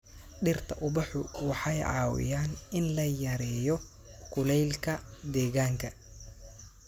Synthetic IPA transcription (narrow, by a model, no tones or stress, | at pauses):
ɗɪrt̪ʰɐʔʊbɑħʊwɑħɑjʕɑ̰ːwɪ̰jaːnɪnlɐjɐɾɛːjɔ | kʰʊlɛjlkʰɐd̪ɛːɣaːŋkʰɐ